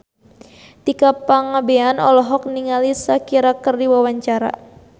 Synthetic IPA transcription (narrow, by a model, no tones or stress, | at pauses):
t̪ikapaŋabeanɔlɔɦɔk̚niŋalisakiɾakərdiwawaɲt͡ʃaɾa̰